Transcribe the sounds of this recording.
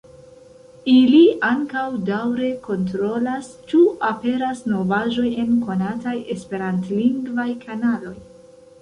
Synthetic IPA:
iliaŋkawdawɾe̞ko̞ntɾo̞last͡ʃuape̞ɾasno̞vaʒo̞je̞nko̞nataje̞spe̞ɾantliŋɡvajkʰanalo̞j

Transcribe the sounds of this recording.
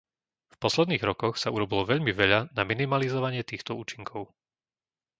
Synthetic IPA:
fpɔslɛd̪niːɣɾɔkɔxsauɾɔbilɔʋɛʎmiʋɛʎanaminimalizɔʋaɲɪɛt̪iːxt̪ɔuːt͡ʃiŋkʰɔʊ

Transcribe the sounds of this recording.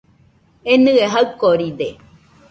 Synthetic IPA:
enɨeɦɐɯkːoɾid̪e

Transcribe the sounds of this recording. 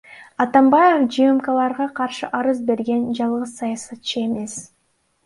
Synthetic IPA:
ɑt̪ɑmbɑjefd͡ʒɨjɯmkɑlˠɑɾʁɑqʰɑɾʃɯʔɑɾɯzbe̞ɾɡe̞nd͡ʒɑlˠʁɯzsɑjɑsɑt̪̚t͡ʃɯe̞me̞s

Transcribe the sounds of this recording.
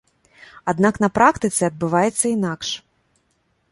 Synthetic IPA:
ad̪naknɐpɾakt̪ɨt̪sʲɛɐd̪̚bɨvajɛt̪sʲːɐinakʂ

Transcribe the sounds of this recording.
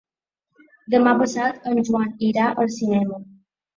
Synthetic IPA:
d̪əmapəsat̪əmʒuaniɾaʔəlsinɛmə

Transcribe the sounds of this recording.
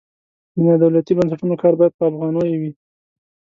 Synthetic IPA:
d̪ənad̪awlat̪ibans̬aʈunokɑɾbɑjad̪̚pəafɣɑnojewi

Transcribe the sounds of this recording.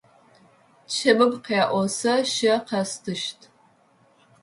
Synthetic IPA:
t͡ʃʰɐbɨbqeaʔʷɔsɐʃɐqʰɐstʰɨʃtʰ

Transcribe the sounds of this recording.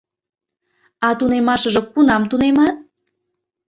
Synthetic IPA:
ɑt̪unemɑʃə̆ʒɤ̆kunɑmt̪unemɑt̪̚

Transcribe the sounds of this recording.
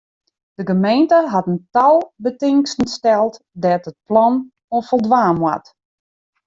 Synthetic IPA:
d̥əɡəmejntəɦatəntalˠbətɪŋkstn̩stɛlˠt | dɛːtət̚plɔn | ofəlˠdʋaːmwa̰t

